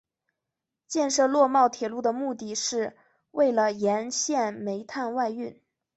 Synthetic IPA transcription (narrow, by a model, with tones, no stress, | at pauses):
t͡ɕjɛ˥˧nʂɤ˥˧lwɔ˥˧mɑ˥˩ʊt̪ʰjɛ˨˩lu˥˩d̪ə˩mu˥˧t̪i˥˩ʂɻ̩˥˧ | we˥˩ɪlə˩jɛ˧˥nɕjɛ˥˩nme˧˥ɪt̪ʰa˥˧nwa˥˧ɪy˥˩n